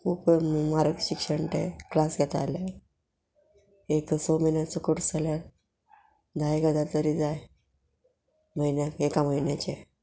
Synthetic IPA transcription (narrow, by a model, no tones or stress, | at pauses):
kʰuːpmaɾəkɕikʂəɳʈḛklasɡʱɛt̪ala | ekəsoməjnjat͡səkoʈsaljaɾ | d̪aeɡəd̪at̪əɾid͡zaj | məinjakekaməjnjat͡ɕe